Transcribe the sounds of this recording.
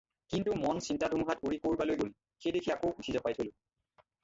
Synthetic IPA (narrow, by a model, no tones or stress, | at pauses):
kintumɔnsintadʱumɦatoɹikoɹbalojɡol | xejdekʰiakowutʰizapajtʰolʊ